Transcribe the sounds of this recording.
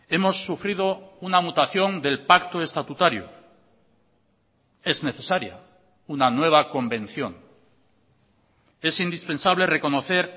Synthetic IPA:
e̞mo̞sːufɾið̞o̞unamut̪aθjo̞nd̪e̞lpakt̪oe̞st̪at̪ut̪aɾjo̰ | e̞zne̞θe̞saɾja̰ | unanwe̞β̞ako̞mbẽ̞n̟θjon | e̞sind̪ispẽ̞nsaβ̞le̞re̞ko̞no̞θe̞ɾ

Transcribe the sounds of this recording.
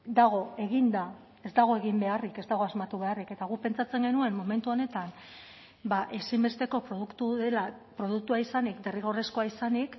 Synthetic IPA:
d̪aɣ̞o̞e̞ɣ̞ind̪a | e̞zd̪aɣ̞o̞e̞ɣ̞imbe̞arike̞zd̪aɣ̞o̞azmat̪uβe̞arike̞t̪aɣupe̞nt͡sat͡se̞ŋɡe̞nue̞mːo̞me̞nt̪uo̞ne̞t̪an | baʔe̞simbe̞st̪e̞ko̞pɾo̞ðukt̪uðe̞la | pɾo̞ðukt̪uaisanikd̪e̞riɣo̞re̞sko̞aisanik

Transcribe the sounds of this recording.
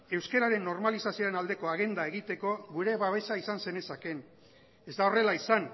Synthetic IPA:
e̞wske̞ɾaɾe̞nːo̞ɾmalisasioɾenald̪e̞ko̞aɣ̞e̞nd̪ae̞ɣit̪e̞ko̞ɣuɾe̞βaβe̞saisanse̞ne̞sake̞n | e̞zd̪ao̞re̞laisan

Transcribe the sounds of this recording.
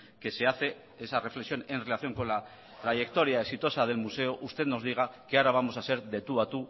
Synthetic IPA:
ke̞se̞aθe̞ | esare̞fle̞ksijo̞ne̞nre̞laθjo̞ŋko̞nla | t̪ɾaʝe̞kt̪o̞ɾjaeksit̪o̞sað̞e̞lmuse̞oʔust̪e̞t̪no̞zðiɣ̞ake̞aɾaβ̞amo̞sase̞ɾðe̞t̪uat̪u

